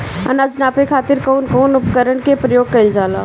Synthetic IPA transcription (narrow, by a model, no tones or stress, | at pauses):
ɐ̰naːd͡ʒnaːpekʰaːt̪ɪɾkoːnkoːnʊpkəɾəɳkepɾəjoːɡ̚kɐɪld͡ʒaːlaː